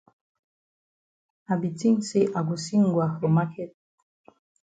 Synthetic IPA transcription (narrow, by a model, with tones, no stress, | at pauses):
a˨bi˨ti˦nse˦ʔa˨ɡ̬u˨si˦ŋ˨ɡwa˨xo˨ma˦kʰɛ˦t̚